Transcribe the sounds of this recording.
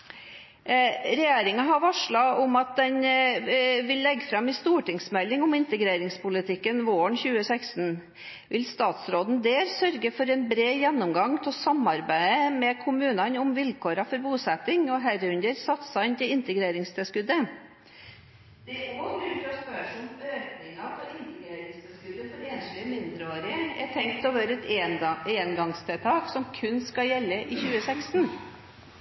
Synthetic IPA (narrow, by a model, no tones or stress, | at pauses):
ɾɛjeːɾɪŋɑɦɑʋɑʂɭɑʊmɑt̪̚d̪ɛn | ʋɪlːɛɡːfɾɑmɪst̪uːʈɪŋsmɛlːɪŋʊmɪnt̪əɡɾeːɾɪŋspʊlɪt̪ʰɪkːənʋoːəɳçʉːəsæɪkst̪n | ʋɪlst̪ɑːt̪sɾoːd̪n̩d̪eːɾsœɾɡəfɔɾɛnbɾeːjɛnːʊmɡɑŋt̪ʰɛsɑmɑɾbæɪəmɛkʰʊmʉːnɑnʊmʋɪlkʰoːɾɑfɔɾbuːsɛt̪ɪŋɔɦæɾʉnd̪əɾsɑt̪sɑɪnt̪ʰɪɪnt̪əɡɾeːɾɪŋst̪ʰɛlskʉd̪ə | d̪̥ɛoːlʉt̪ɔspœʂɔnɔøːknɪŋɑpʰɔɪnt̪əɡɾeːɾɪŋst̪ʰɛlskʉd̪əfɔɾeːnʃlɪəmɪnd̪ɾəoːɾɪəɛ̰ʈ̪ʰɛŋkt̪ʰɔʋøːɾəɛt̪eːənɡɑŋst̪ʰɛlt̪ʰɑːksɔmkʰʉnskɑjɛlːəʔɪçʉːəsɛkst̪n̩